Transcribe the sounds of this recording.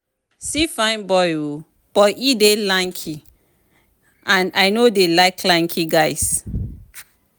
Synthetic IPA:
sifãɪ̃nbɔjo | b̥ɔidelãŋkʰi | ãnajnodelaɪkʰlãŋkʰiɡaɪs

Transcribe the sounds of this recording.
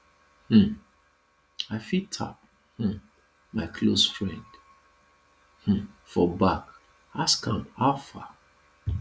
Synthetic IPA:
hm̩ | aɪfitʰa̰p̚ | h̩ | maɪkʰlosfɹɛ̃nd̥ | h̩fɔbak | askãmhaʊfa̰

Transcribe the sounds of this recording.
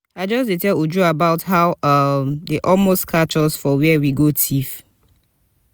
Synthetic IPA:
aɪd͡ʒɔsdetɛlud͡ʒuabaʊthaʊʌmdeʔɔlmostkʰat͡ʃɔsfɔwɛwiɡotʰif

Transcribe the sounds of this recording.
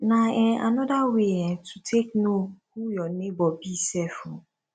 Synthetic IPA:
nãɛ̃a̰nɔdaweɛ̃tʰutʰek̚nohujɔnebɔbisɛfɔ̃

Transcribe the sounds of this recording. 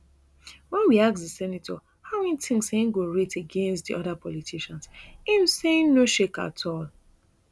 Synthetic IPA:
wɛ̃nwiaksdəsɛnitʰɔ | haʊmɛnitĩŋseĩnɡoɹeteɡẽnstdḭɔðapʰɔlitʰiʃãnsim̩seĩnnoʃeka̰tʰɔl

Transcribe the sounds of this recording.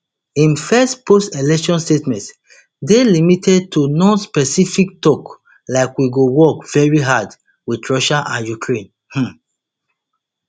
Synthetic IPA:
ĩnfɛstpʰostelɛkʃɔ̃nstetmɛ̃nt | delimitʰɛd̚tʰunɔ̃nspɛsifik̚tɔk | laɪkwiɡowɔkv̥ɛɹiɦad | widɹɔʃaʔãnjukʰɹẽn | h̩

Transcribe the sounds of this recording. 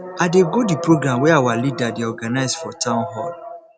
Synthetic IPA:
adeɡodipɹoɡɹãmwɛawalidadeɔɡanaɪzdfɔtʰãʊ̃nɦɔl

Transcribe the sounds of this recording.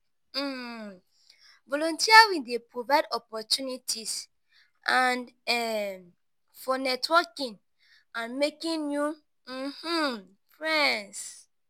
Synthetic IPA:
m̩ | vɔlɔ̃ntiawidepɹovaɪdɔpɔtjunitʰis | ʔãnɛ | fɔnɛtwɔkĩn | ãnmekĩnju | h̩ | fɹɛns

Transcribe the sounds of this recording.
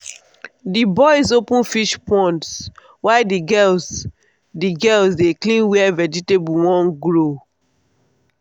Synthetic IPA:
dibɔɪs̬opũnfiʃpɔ̃nts | waɪdiɡɛs | diɡɛlsdeklĩnwɛɛvɛd͡ʒitebuwɔ̃nɡɹo

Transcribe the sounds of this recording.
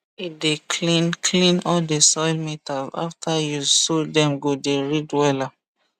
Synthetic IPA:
itdelinkʰlĩnɔldesɔɪlmetalza̰ftʰajusodɛ̃mɡodeɹidwɛla

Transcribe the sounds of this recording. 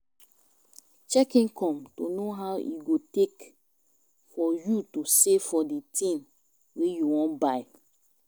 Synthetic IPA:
t͡ʃɛkĩŋkʰɔ̃mtonoɦaʊḭɡotek | fɔjutosefɔdetʰĩm | wejuwɔ̃nbaɪ

